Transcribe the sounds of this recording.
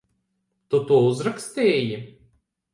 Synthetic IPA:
t̪ut̪uɔuzɾakst̪ʲeːji

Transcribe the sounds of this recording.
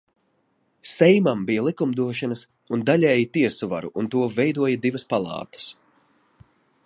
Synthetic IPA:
sɛjmambijalˠikumd̪uɔʃanɐs | und̪alʲɛːjit̪iɛsuva̰ɾuʔunt̪uɔvɛjd̪uɔjɐd̪ivɐspalˠɑ̰ːt̪ɐ̥s

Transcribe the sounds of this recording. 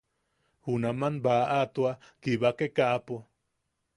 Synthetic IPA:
hunamanbaʔat̪ua | kiβakekaʔapo

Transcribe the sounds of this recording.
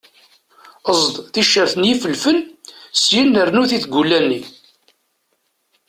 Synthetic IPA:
əzˤd̪ˤθiʃːəɾθənjifəlfənsjənːəɾnuθiθɡulːænːi

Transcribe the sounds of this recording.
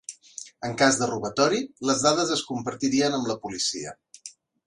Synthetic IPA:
əŋkazðəruβ̞ət̪ɔɾiləzðað̞əzəskumpəɾt̪iɾiənəmləpulisiə

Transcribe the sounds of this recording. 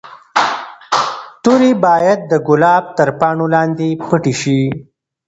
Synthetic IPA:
t̪ʊɾebɑːjad̪̚ːəɡʊlɑːb̚t̪əɾpɑːɳolɑːnd̪epəʈeʃi

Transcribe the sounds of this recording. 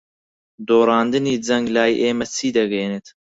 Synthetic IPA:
d̪oːɾɑːnd̪ɨniːd͡zɐŋɡlaːjḭʔeːmɛt͡sʰiːd̪ɐɡeːnet̪

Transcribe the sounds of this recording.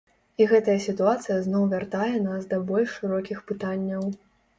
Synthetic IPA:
iɣɛt̪ɐjɐsʲit̪uat̪sɨjɐznɔwvʲart̪ajɛnasd̪ɐbɔlʲʂʂɨɾɔkʲixpɨt̪anʲːɐw

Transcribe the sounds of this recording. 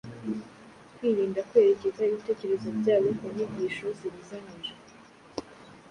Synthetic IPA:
kwiːɾiːndakwe̞ːɾe̞ce̞zaiβite̞ːce̞ɾe̞zobɟaːβokumiɲɟiʃo̞ziβizaɲiʒe

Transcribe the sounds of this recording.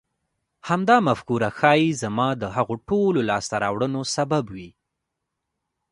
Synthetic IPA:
hamd̪ɑmafkuɾaxɑjizamɑd̪əɦaɣoʈololɑst̪aɾɑwɽənosababwi

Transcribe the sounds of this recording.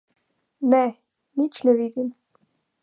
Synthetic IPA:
nɛ | nit͡ʃnɛvid̪im

